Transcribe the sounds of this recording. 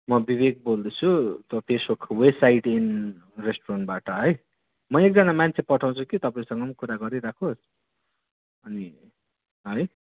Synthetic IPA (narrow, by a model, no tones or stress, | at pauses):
mʌbibeɡ̚bold̪ʌt͡sʰut̪ʌpʰesbukʰwebsajʈin | resʈorʌnʈbaʈʌɦʌj | mʌek̚d͡zʌnamant͡sʰepʌʈʰaw̃t͡sʰukit̪ʌpaĩsʌŋɡʌmkuɾaɡʌɾiɾakʰos | ʌni | ɦʌj